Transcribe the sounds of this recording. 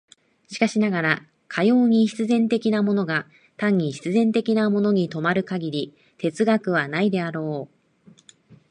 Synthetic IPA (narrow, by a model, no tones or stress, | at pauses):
ɕi̥kaɕinaɡaɾa | kʰajo̞ːɲ̟iɕi̥t͡sɨzẽ̞nt̪e̞kʲinamo̞no̞ɡa | t̪ãɲ̟ːiɕi̥t͡sɨzẽ̞nt̪e̞kʲinamo̞no̞ɲ̟it̪o̞maɾɯ̟kaɡʲiɾʲi | t̪e̞t͡sɨɡakɯ̟β̞anaid̪e̞aɾo̞ː